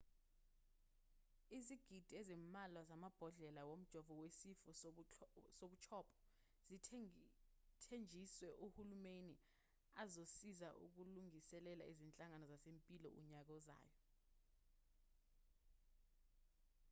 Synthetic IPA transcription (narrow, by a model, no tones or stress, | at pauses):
iziɡ̥ʱid̥ʱiezimmalwazamab̥ʱɔɮɛlawom̩d̥ʒ̥ʱɔvɔwesifɔ | soɓut͡ʃʰɔːpʰʼɔ̥ | zi | tʰend͡ʒʱiswɛʔuhulumeni | azosizaʔṵk̬uluŋisɛlɛla̰izint͡ɬʼaŋanɔzasempʼilɔ̰ʔṵɲak̬ɔza̰ːjɔ